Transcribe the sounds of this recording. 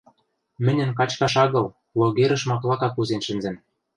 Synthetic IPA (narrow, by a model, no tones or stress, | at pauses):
mɘ̆nʲɘ̆nkɑt͡ɕkɑʃɑɣɤ̆l | lˠoɣeɾə̆ʃmɑklˠɑkɑkuzenʃɘ̆nzɘ̆n